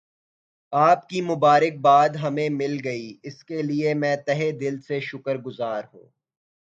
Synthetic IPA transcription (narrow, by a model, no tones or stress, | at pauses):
aːp̚kimʊbaːɾɪk̚baːd̪ɦɐmẽmɪlɡɐiːɪskeliemɛ̃ːt̪ɛɦed̪ɪlseʃʊkəɾɡʊzaːɾɦṵ̃ː